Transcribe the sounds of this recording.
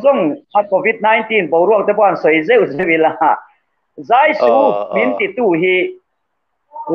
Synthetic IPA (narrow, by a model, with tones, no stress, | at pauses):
zɔ˥˨ŋa˧˨koː˨˩vi˧t̚na˧˦jnt̪i˧˥˨npo˨˦wɾu˥˩˨k̚t̪ɛ˧˦pwa˧˨nso˨˦jze˥˨wze˧˦˨wʔi˧˨˦la˧˨ | zaː˦˨jsu˨˦mi˨˦nt̪i˨t̪ːuː˥˧˨ɦi˧ | l